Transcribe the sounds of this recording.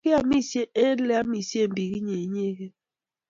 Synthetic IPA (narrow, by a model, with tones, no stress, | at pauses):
ɪ˦a˨mi˦˨se˦e˦le˦a˦mi˨sje˦˨m̩˨bi˨ɣi˦ɲe˨ɲe˦ɣe˦